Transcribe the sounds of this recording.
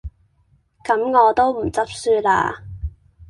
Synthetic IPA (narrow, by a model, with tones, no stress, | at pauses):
kɐ˨˥mŋɔː˨˧t̪o˥wm̩˨˩t͡sɐ˥p̚syː˧la̰ː˧